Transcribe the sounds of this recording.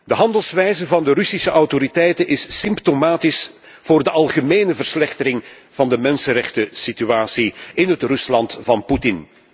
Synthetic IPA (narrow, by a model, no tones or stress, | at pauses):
dəɦɑndəlˠsʋɛjzəvɑndərʏsisəʔɑwtoɾitɛjtənʔɪsːɪmptomaːtɪs | v̥ʊːrdəʔɑlˠɣəmeːnəvərslɛxtəɾɪŋ | vɑndəmɛnsənɾɛxtəsityaːsiɪnɦətrɵslɑntvɑnputɪn